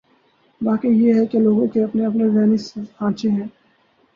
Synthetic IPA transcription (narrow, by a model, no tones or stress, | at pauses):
baːkejeɦɛkeloːɡõkeɐpneɐpnezɛːnishãːt͡ʃeɦɛ̃ː